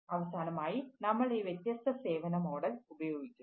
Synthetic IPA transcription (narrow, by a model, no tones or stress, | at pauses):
ɐʋɐsaːnɐmaːjinɐmːɐɭiːʋjɐt̪jɐst̪ʰɐse̞ːʋɐnɐmo̞ːɽɐlubɐjo̞ːɡit͡ɕːu̥